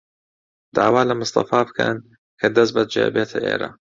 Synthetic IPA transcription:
d̪̥a̰ʕwaːlamʊsˤt̪ˤɑ̰fɑːbkʰa̰n | kad̪asbat̪̚d͡ʒa̰ːʔbet̪ʰʔḛːɾa̰

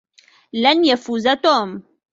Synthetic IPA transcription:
lanjafuːzat̪om

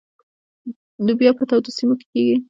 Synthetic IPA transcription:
lubjɑpət̪awd̪osimoke̥keɡi

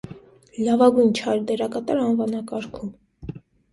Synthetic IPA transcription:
lɑvɑɡujnt͡ʃʰɑjɾd̪ɛɾɑkɑt̪ɑɾɑnvɑnɑkɑɾkʰum

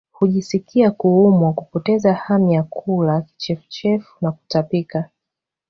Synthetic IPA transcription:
huʄisikiakuumwakupɔtɛzahamijakʰulaki̥t͡ʃɛfu̥t͡ʃɛfu̥naku̥tapika

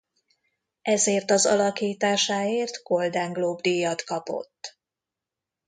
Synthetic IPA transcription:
ɛzeːrt̪ɒzɒlɒkiːt̪aːʃaːeːrt̪ɡo̞ld̪aːŋɡloːbd̪ijːɒt̪kɒpo̞̰t̪ː

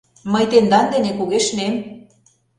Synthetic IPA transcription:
məjt̪end̪ɑnd̪enekuɣeʃnem

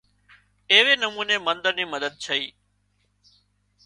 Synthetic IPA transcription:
eːʋeːnəmuːneːmənd̪əɾniːməd̪əd̪̚t͡ʃʰəiː

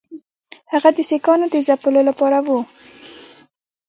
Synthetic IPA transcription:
haɣad̪əsekɑnod̪əzapəlolapɑɾawu

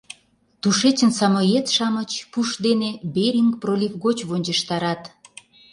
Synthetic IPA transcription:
t̪uʃet͡ɕə̆nsɑmojet̪ʃɑmət͡ɕpuʃd̪enebeɾʲiŋkprolʲivɣot͡ɕβonʲd͡ʑə̆ʃt̪ɑɾɑt̪

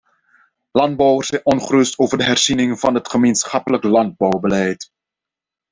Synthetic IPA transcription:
lɑnd̚bɔwərsɛjnʔɔnχərɵstoːwvəɹdəɦɛrz̥inɪŋvɑnɦətχəmensχɑpələklɑnd̚bɔwbəlɛjt

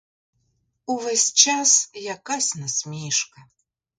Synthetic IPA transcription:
uvɛsʲt͡ʃasjakasʲnɐsʲmʲiʂkɐ

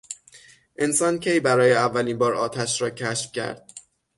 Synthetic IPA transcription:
ʔe̞nsɒːncʲʰejbæɾɒːjeævːæliːnbɒːɾɒːt̪ʰæʃɾɒːcʰæʃfcʰæ̰ɾd̪̥̚

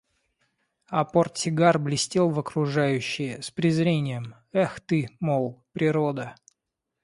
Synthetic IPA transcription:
ɐporsʲɪɡarblʲɪsʲtʲelˠvəkɾʊʐajʉɕːɪjəspɾʲɪzɾʲenʲɪjəm | ɛxt̪ɨmolˠpɾʲɪɾod̪ə

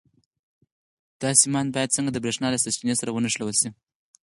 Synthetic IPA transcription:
d̪̥ɑsimɑnbɑjad̪̚t͡səŋɡad̪əbɾeʂnɑlasast͡ʃinesaɾawənaʂlawəlsi

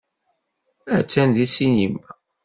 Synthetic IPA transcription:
æt͡sːænðisinim

